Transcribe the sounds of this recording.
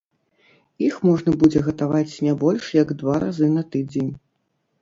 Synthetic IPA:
ixmɔʐnɐbud͡zʲɛɣɐt̪avat͡sʲnʲɛbɔlʲʂjɐɡd̪vaɾa̰zɨnɐt̪ɨd͡zʲenʲ

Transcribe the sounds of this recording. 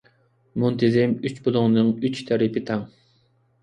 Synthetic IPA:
munt̪ʰɪzɪmyt͡ʃbʊlˠʊŋnɨŋyt͡ʃt̪ʰæɾɪpɪt̪ʰɛŋ

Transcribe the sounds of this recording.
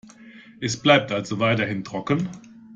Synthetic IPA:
ʔɛsb̥laɪp̚tʔalzovaɪtɐhɪntʁ̥ɔkən

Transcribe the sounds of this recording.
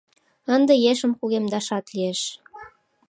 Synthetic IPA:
ənd̪ĕjeʃə̆mxuɣemd̪ɑʃɑt̪lieʃ

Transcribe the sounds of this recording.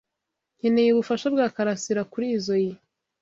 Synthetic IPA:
ɲenejeβufaʃabɡaːkaɾasiɾakuɾiːzo̞ji

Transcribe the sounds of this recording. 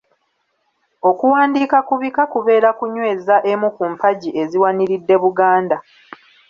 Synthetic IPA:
o̞kuwaːndiːkakuβikakuβe̞ːɾakuɲwe̞ːzaʔemukumpaɟie̞ziwaniɾidːe̞βuɡaːnda

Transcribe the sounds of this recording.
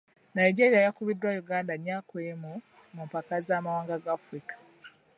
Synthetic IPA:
naiɟeɾijajakuβidːwajuɡaːndaɲːaːkwemu | mumpakazaːmawaːŋɡaɡaːfɾikḁ

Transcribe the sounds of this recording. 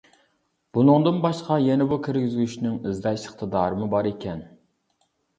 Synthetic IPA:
b̥unɨŋd̪ɨnbɑʃqɑjɛnɛbukʲʰiɾɡʲɪzɡʲyʃnɪŋizɡɛʃə̥χt̪ʰɨd̪ɑːɾɨmɨbɑɾekʲʰɛn

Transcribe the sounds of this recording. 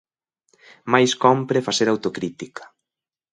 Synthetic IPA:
majskɔmpɾefaseɾawt̪okɾit̪ikḁ

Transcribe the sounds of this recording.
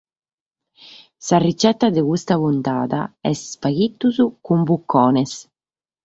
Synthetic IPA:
sarit͡ʃɛt̪ːad̪ekust̪akunt̪aːd̪a̰ɛsspaɡit̪ːuzukumbukʰːɔːnes

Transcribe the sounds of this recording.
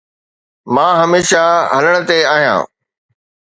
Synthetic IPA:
mãːɦɐmeːʃaɦɐləɽ̃̆t̪eaːɦijã̰ː

